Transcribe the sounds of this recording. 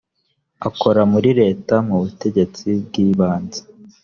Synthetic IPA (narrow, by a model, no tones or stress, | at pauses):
ako̞ɾamuɾiɾe̞ːtamuβute̞ɟe̞t͡sib̚ɡiːβaːnzḁ